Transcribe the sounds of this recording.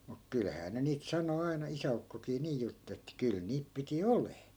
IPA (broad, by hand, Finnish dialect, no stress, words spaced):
muk kylhæː ne niːt sɑno ɑinɑ isæukːokiː niː jutː etːæ kyl niːp piti oleː